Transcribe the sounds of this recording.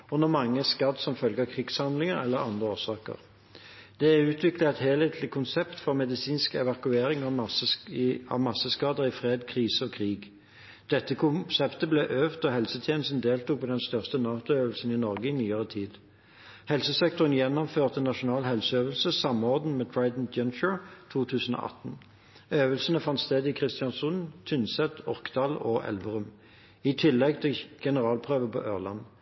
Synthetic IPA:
ɔnɔmɑŋːəskɑd̪sɔmfœlɡɑkʰʁɪɡ̥shɑnd̪lɪŋəʁɛlːəʁɑ̰nd̪ʁəoːsɑːkə̰ʁ | d̪̥ɛæʉːt̪ʰʋɪkləɛt̪heːleːt̪ʰlɪkʰʊnsɛpt̪fɔʁmɛd̪ɪsiːnskɛʋɑkʉeːɾɪŋɑ | ɑ̰ʋmɑsəskɑːd̪əʁɪfʁeːd̪kʰʁiːsəɔkʰʁiːɡ | d̪̥ɛt̪ːəkʰʊsɛpt̪əblɛʔøːʋt̪ɔhɛlsət̪ʰjɛːnəst̪n̩d̪eːlt̪uːk̚pʰɔːd̪ɛnst̪œʁst̪ənɑːt̪ʊeːʋəlsən̩ɪnɔʁɡəɪnyːəʁət̪ʰiːd̪ | hɛlsəsɛkt̪ɔʁənjɛnːɔmføːʁt̪ənɑʃʊnɑːlhɛlsəøːʋəlsəsɑmɔʁd̪n̩met̪ʰɹɑɪd̪n̩d͡ʒœnt͡ʃʊɹt̪ʰuːt̪ʰʉːsən̩o̰ːʔɑ̰t̪n̩ | øːʋəlsənəfɑnt̪st̪eːd̪ɪkʰʁɪst̪ɪɑnsʊnt̪ʰʏnsɛt̪ɔʁkd̪ɑːloʔɛ̰lʋəʁʉm | ɪt̪ʰɪlːɛɡt̪ʰɪɡ̥ɛnəʁɑːlpʰʁøːʋəpɔ̰ʔøːʁlɑ̰n

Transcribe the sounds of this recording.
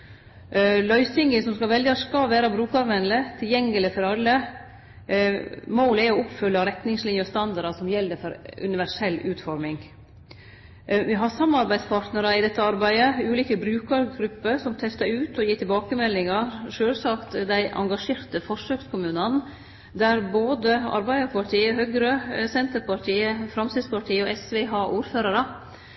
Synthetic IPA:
lœʏsɪŋɡɪsɔmskɑlʋɛld̪jɑskɑlʋæːɾɑbɾʉːkɑɾʋɛnlət̪ʰɪljɛŋːəlɪfɔɾɑlːə | moːlæɔʊpfʏlːɑɾɛt̪nɪŋslɪnjəɔst̪ɑnd̪ɑɾɑsɔmjɛld̪əfɔɾʉ̰nɪʋæʂɛlːʉːt̪fɔɾmɪŋ | ʋɪɦɑsɑmːɑɾbæɪd̪spʰɑːɾʈ̪nəɾɑɪd̪ɛt̪ːəɑɾbæɪd̪əʉːliːkəbɾʉːkəɾɡɾʉpːəɾsɔmt̪ʰɛst̪ɑɾʉːt̪ɔjiːʈʰɪlbɑːkəmɛlːɪŋɑɾʂøːlsɑkt̪d̪æɪʔɑ̰ŋɡɑʂeːɾt̪əfɔʂøːkskʰʊmʉːnɑn | d̪æɾboːd̪əɑ̰ɾbæɪd̪əɾpʰɑʈʰiːəɦœɡɾəsɛnt̪əɾpɑʈʰiːəfɾɑmsɪd̪spɑʈʰiːəɔʔɛsʋɛɦɑːʔuːɾføːɾɑɾə

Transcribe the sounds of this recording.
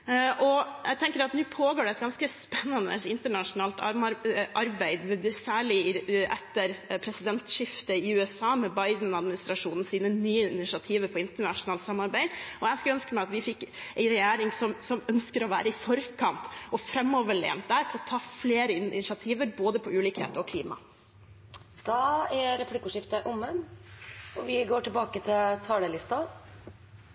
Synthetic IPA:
ʔɔjæɡt̪ʰɛŋkəɾɑt̪nʉːpʰoːɡoːɖɛt̪̚ɡɑnskəspɛnːɑnə̰ɪnt̪əɳɑʂʊnɑːlt̪ɑɾʔɑɾbæɪd̪mɛd̪sæːɭɪʔɛ̰t̪ːəɾpʰɾɛsɪd̪ɛnt̪ʃɪft̪əɪʉːɛsɑːmɛbɑɪd̪n̩ɑd̪mɪnɪst̪ɾɑʂuːnn̩siːnənyːəɪnɪʂɑt̪ʰiːʋəɾpʰɔɪnt̪əɳɑʂʊnɑːlt̪sɑmːɑɾbæɪd̪ɔjæskɑlœnskəmæɪɑt̪ʋɪfɪkːæɪɾɛjæːɾɪŋsɔmsɔmœnskəɾɔʋæ̰ːɾəɪfɔɾkʰɑnt̪ɔfɾɛmːɔʋəɭḛːnt̪̚d̪æːɾpʰɔɔt̪ʰɑːfleːɾəɪnʃɪɑt̪ʰiːʋəɾboːd̪əpʰɔʉːliːkhḛːt̪əɾɔkʰliːmɑ̰ | d̪̥ɑːæɾɛpʰlɪkʊʂɪft̪əʔʊmən | ɔʋɪɡoːʈɪlbɑːkət̪ʰɪlt̪ʰɑːɽəlɪst̪ɑ

